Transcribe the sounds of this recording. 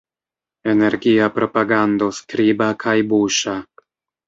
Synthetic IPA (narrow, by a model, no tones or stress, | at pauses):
e̞ne̞ɾɡiapɾo̞paɡand̪o̞skɾibakʰajbuʃa